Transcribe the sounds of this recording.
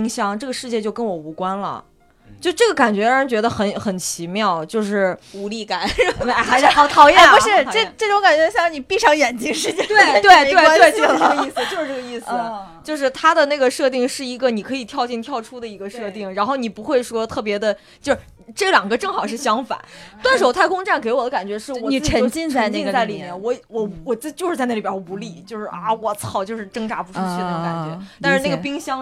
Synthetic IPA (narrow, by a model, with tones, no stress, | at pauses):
i˧˥ŋɕjɑ˨˩ŋʈ͡ʂɤ˥˩ɡə˩ʂɻ̩˧t͡ɕjɛ˥˧t͡ɕjo˥˩ʊkə˥nwɔ˨˩u˧˥kwa˥nlə̰˨˩ | t͡ɕjʊʂɻ̩˥˧ʈ͡ʂɤ˥˩ɡə˩ka˨˩nt͡ɕɥɛ˧˥a˧˥t͡ɕɥɛ˧˥d̪ə˧xə˧˩nxə˨˩nt͡ɕʰi˧˥mjɑ˥˩ʊt͡ɕjo˥˧ʊʂɻ̩˥˩u˧˥li˥˩ka˨˩˦n˧˩xa˧˥ɪʂɻ̩˥˩xɑ˧˥ʊt̪ʰɑ˧˥ʊjɛ˥˩˧ʂɻ̩˥˩˧ʈ͡ʂʈ͡ʂʊ˧˥ŋka˨˩nt͡ɕɥɛ˧˥ɕjni˨˩pi˥˧ʂɑ˥˩ŋjɛ˨˩nt͡ɕi˥ŋʂɻ̩˥˧t͡ɕɛ˥˩t̪we˥˩t̪we˥˩ɪwe˥˧ɪt̪we˥˩˧i˥˩s̩˩t͡ɕo˥˧ʊʂɻ̩˥˩ʈ͡ʂɤ˥˩ɡə˧˩˧i˥˩st͡ɕjo˥˧ʊʂ̬ɻ̩˥˩t̪ʰa˥d̪ə˨ne˥˩ɪɡə˩ʂɤ˥˧t̪i˥˧ŋʂɻ̩˥˩i˧˥ɡə˧ni˨˩kʰɤ˧˥i˨˩t̪ʰjɑ˥˧ʊt͡ɕɛ˥˧nt̪ʰjɑ˥˧ʊʈ͡ʂʰu˥d̪ə˨i˧˥ɡə˧ʂɤ˥˧t̪i˥˩ŋɻa˧˥nxo˥˩ʊni˨˩pu˧˥xwe˥˧ɪʂwɔ˥t̪ʰɤ˥˩p̬jɛ˧˥d̪ə˧ | t͡ɕjo˥˧ʂ̩˩ʈ͡ʂɤ˥˩ljɑ˨˩ŋɡə˦ʈ͡ʂɤ˥˩ŋxɑ˨˩ʊʂ̬ɻ̩˥˩ɕjɑ˥ŋfa̰˨˩˦nt̪wa˥˧nʂo˧˥ʊt̪ʰɪkʊ˥ŋʈ͡ʂa˥˩nke˧˥ɪwɔ˨˩d̪ə˦ka˨˩nt͡ɕɥɛ˧˥ʂɻ̩˥˩˥wɔ˨˩˥ə˧˥˧t͡ɕi˥˧n˧t͡ɕi˥˧ŋt͡sa˥˩ɪli˨˩mjɛ˥˩nwɔ˧˥wɔ˧˩wɔ˨˩t͡st͡ɕjo˥˧ʊʂɻ̩˥˧a˥˧n˥˩˧wɔ˥˩pu˧˥li˥˩t͡ɕjo˥˧ʊʂɻ̩˥˩a˥˩wɔ˨˩t͡sʰɑ˨˧˩ʊt͡ɕjo˥˧ʊʂɻ̩˥˩ʈ͡ʂɤ˥ŋʈ͡ʂa˧˥pu˧˥ʈ͡ʂu˥ɕy˥˧˥ka̰˨˩t͡ɕɥɛ̰˧˥t̪a˥˧ʂɻ̩˥˧ne˥˩ɡə˩pi˥ŋɕjɑ˥ŋ